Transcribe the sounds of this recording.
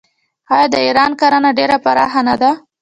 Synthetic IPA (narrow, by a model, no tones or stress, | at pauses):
ɑjɑd̪əiɾɑnkaɾanaɖeɾapaɾɑ̰xanad̪a